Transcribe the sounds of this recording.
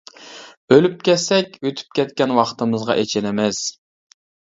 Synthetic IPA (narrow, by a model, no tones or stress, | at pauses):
ølyp̚kʲɛsɛkʲøt̪ʰy̥p̚kʲɛt̪̚kʲɛnwɑχt̪ʰɨmɨzʁɑ̰ʔet͡ʃʰɛnɛmɛs